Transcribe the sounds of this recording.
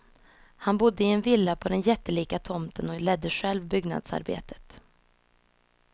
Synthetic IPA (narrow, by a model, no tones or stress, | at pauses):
hanbʊd̪ːəɪɛnvɪlːapʰɔd̪ɛnjɛt̪ːəliːkat̪ʰɔmt̪ʰənɔlɛd̪ːəɧɛlvbʏɡna̰d̪sa̰ɾbḛːt̪ʰə̥t̪